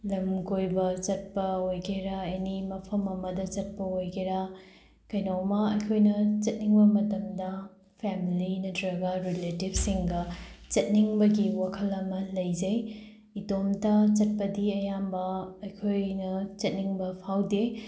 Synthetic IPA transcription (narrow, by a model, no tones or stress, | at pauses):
lɐmɡojbɐt͡ʃɐt̚pɐojɡeɾaenimɐpʰɐmɐmɐdɐt͡ʃɐt̚pɐojɡeɾa | kɐjnɐwmɐɐjkʰojnɐt͡ʃɐt̚niŋbɐmɐtɐmdɐ | pʰemilinɐdɾɐɡaɾiletibsiŋɡɐt͡ʃɐt̚niŋbɐɡiwakʰɐlɐmɐlɐjd͡ʒɐj | idomtat͡ʃɐt̚pɐdiɐjambɐɐjkʰojnɐt͡ʃɐt̚niŋbɐpʰawde